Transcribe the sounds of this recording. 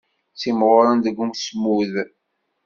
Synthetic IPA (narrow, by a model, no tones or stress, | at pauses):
simʁoɾand̪əɡːuŋsmuð